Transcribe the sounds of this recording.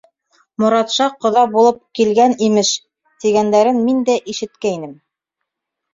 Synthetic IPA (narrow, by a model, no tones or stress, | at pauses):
mŏɾɑt̪ʃɑqːŏðɑbulˠɤp̚kilɡænimɘʃ | t̪iɡænd̪æɾɘnmind̪æʔiʃɘ̆t̪kæinɘm